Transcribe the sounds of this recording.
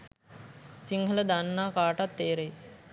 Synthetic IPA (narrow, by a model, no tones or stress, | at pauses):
siŋɡʱələd̪anːaːkaːʈat̪ːeːɾej